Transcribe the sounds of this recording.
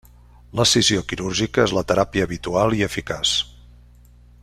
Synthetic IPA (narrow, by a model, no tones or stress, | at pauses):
ləsiziokiɾuɾʒikəezlət̪əɾapiəːβit̪ualˠiəfikas